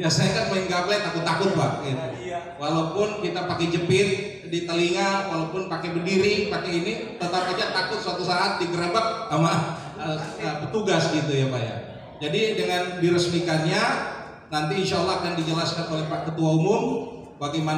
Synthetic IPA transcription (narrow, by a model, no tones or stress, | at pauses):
jasajakanmaɪŋɡablajt̪akʊt̪ːakʊt̪̚bak̚it̪u | walawpʊnkit̪apakɛd͡ʒəpɪt̪̚ | dit̪aliŋawalawpʊnpakɛbərdiɾipakɛinit̪ət̪apaɲat̪akʊt̪̚səat̪usaat̪̚diɡəɾabak̚ːama | əəpət̪uɡasɡit̪ujabaja̰ | d͡ʒadidəŋandiɾəsmikanɲa | nant̪̬iːnʃaalːakandid͡ʒəlaskanolɛhpakət̪uaumʊm | baɡeman